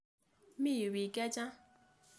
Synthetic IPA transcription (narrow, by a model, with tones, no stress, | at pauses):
mi˥˨jø˩˨ʔpɛː˨kɛ˥˨t͡ɕã˥ŋ